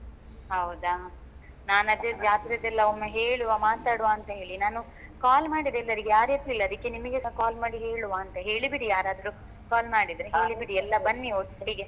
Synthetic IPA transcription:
ɦɐwd̪aː | naːnɐd̪ed͡ʒaːt̪iɾɐd̪ɛlːɐomːeɦe̞ːɭuʋamaːt̪aːɽuʋaːɐnt̪ɐɦe̞ːɭinaːnu | kaːlmaːɽid̪ɛlːɐɾiɡejaːɾet̪ːilːɐd̪ɐkːe̞nimɐɡeskaːlmaːɽiɦe̞ːɭuʋaːnt̪ɐɦe̞ːɭibiɽijaːɾaːd̪ɐɾu | kaːlmaːɽid̪ɾeɦe̞ːɭibiɽiɛlːɐbɐnːioʈːɐɽiɡe

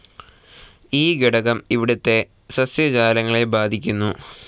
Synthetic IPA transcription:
iːɡiɽɐɣɐmiʋiɽɐt̪ːe̞ | sɐsjɐd͡ʑaːlɐŋːɐɭebaːd̪ʱikʲːunːu

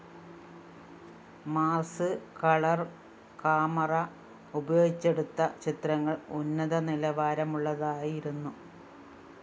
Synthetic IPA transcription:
maːrsɨkɐɭɐr | kaːmɐrɐ | ubɐjo̞ːɡit͡ɕːe̞ɽut̪ːɐt͡ɕit̪rɐŋːɐɭunːɐðɐnilɐʋaːɾɐmuɭːɐðaːjiɾunːu

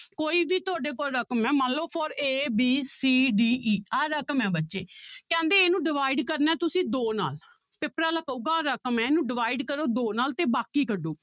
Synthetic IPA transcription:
koːiːbiːt̪ʊaːɖeːkoɾəkəmɛ̃ːmənlːoːpʰoːɾeːbiːsiːɖiːʔiːaːɾəkəmɛ̃ːbətːʃeːkɛ̃ːnd̪eːeːnũːɖɪʋaːiɖkəɾnɛ̃ːt̪ʊsĩːd̪oːna̰ːl | pɪpɾaːləkəuːɡaːɾəkmɛ̃ːeːnũːɖɪʋaːiɖkəɾoːd̪oːnaːlt̪eːbaːkiːkəɖːoː

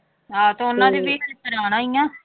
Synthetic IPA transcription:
ɦaːt̪õːʊnːãːd̪eːʋeːkʰet̪əɾaːñaːijãː

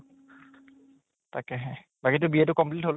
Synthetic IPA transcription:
takɛɦɛ | baɡit̬ʊbiɛtʊkɔmplitɦol

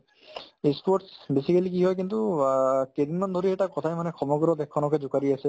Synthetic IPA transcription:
ispɔʈsbesikalikiɦɔjk̬intuked̪inmand̪ʱoɹiɛtakɔt̪ʰajmanɛkʰɔmɔɡɔɾɔt̪ɛkʰːɔnɔkɛzʊkaɹiasɛ

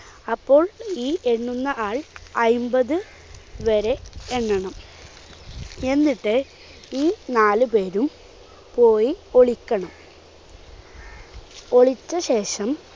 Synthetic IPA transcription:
ɐpːo̞ːɭiːe̞ɳːunːɐʔaːɭɐjmbɐðɨ | ʋɐɾe̞eɳːɐɳɐm | e̞nːiʈːɨ | iːnaːlɨpe̞ːɾum | po̞ːjio̞ɭikʲːɐɳɐm | o̞ɭit͡ɕːɐɕe̞ːʂɐm

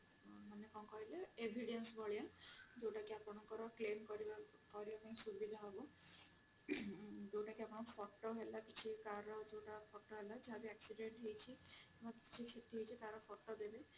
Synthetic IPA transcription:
manekɔŋkɔɦileebʱiɖensbɔɭijad͡ʒewʈakiapɔɽ̃ɔŋkɔɾɔklenkɔɾibakɔɾibapaĩsubʱid̪ʱɔɦaɡu | d͡ʒewʈakiapɔɽ̃ɔ̃pʰɔʈɔɦelakit͡ʃʰikaɾɔd͡ʒewʈapʰɔʈːɔɦelad͡ʒeɦab̪iaksiɖeɳʈɦejt͡ʃʰi | mɔkit͡ʃʰikʰit̪iɦejt͡ʃʰit̪aɾɔpʰɔʈːɔd̪ebe

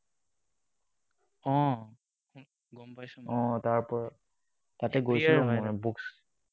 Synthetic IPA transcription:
ɔ̃ | ɡɔmpaɔ̃taɹpɔɹ | tatɛɡojsilaɛbuks

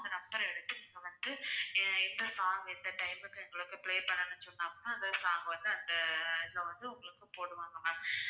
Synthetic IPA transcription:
nd̪ɐnɐbːɐɾɐ̃ɛɽɯt̪ːɯniːŋɡɐʋɐnd̪ɯɪnd̪ɐsaːŋɡɐɪnd̪ɐʈɐɪmɯkːɯ̃ɛŋɡɐɭɯkːɯpɪɭeːpɐɳːɐnːɐt͡ʃːɔnːaːŋɡɐnːaːɐnðɐðsaːŋɡɐʋɐnd̪ɯɐnd̪ɐɪðɪlɐʋɐnd̪ɯʊŋɡɐɭɯkːɯpoːɽɯʋaːŋɡɐmaː

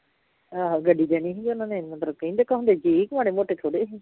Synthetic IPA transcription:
aːɡəɖiːd͡ʒ̪ɛːñĩːɦĩŋɡʊnãːneːmət̪ləb̚kəĩːd̪ekʰːãːɦʊ̃nd̪eːd͡ʒiɪkʋaːɽeːmoːʈeːt̪ʰoːɽeːɦĩː

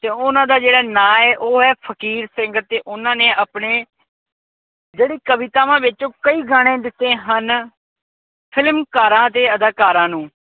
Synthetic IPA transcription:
t̪eːʊnãːd̪aːd͡ʒeːɽaːnãːɛːʔoːɦɛːpʰəkiːɾsɪ̃ŋɡt̪ːeːʔʊnãːnẽːʔaːpɳeː | d͡ʒeːɽiːkəʋɪt̪aːʋãːʋɪt͡ʃõːkəiːɡaːɽ̃ẽːd̪ɪt̪ːẽːɦən | pʰɪlmkaːɾãːd̪eːəd̪aːkaːɾãːnũː

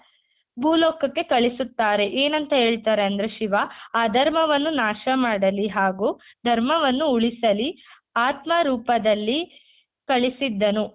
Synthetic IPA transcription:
bʱuːlɔːkːɐkːe̞kɐɭisut̪ːaːɾe̞ʔeːnɐnt̪ɐɦe̞ːɭit̪aːɾe̞ɐnd̪ɐɾe̞ʃiʋaaːd̪ʱɐɾmɐʋɐnːunaːʃɐmaːɽɐliɦaːɡuː | d̪ʱɐɾmɐʋɐnːuuɭisɐli | aːt̪mɐɾuːpɐd̪ɐlːi | kɐɭisid̪ːɐnu

